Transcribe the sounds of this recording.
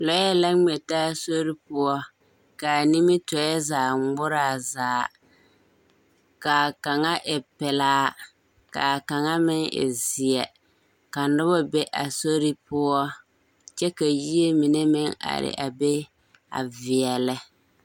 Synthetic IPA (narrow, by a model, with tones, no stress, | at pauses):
lɔ˨˦ɛ˦la˦ŋ͡mɛ˨taː˦˨so˦ɾi˦pʊ˦ɔ˦ | ka˨ni˦mɪ˦tɔ˨˦jɛ˦zaː˨ŋ͡mɡ͡bʊ˦ɾaː˦˨zaː˨ | ka˨ka˨ŋa˦ʔɪ˨pɪ˨laː˦ | ka̰˨ka˨ŋa˦mɪ˦ŋɪ̰˨zɪ˨ɛ˨ | ka˨nʊ˦βɔ˦be˦ʔa˨so˦ɾi˦pʊ˦ɔ˦ | t͡ʃɛ˦ka˨ji˦e˦mɪ˨ne˦mɪ˦ŋa̰˨ɾɪ̰˨ʔa˨be˦ | a̰˨vɪ˨ɛ˨lɪ˦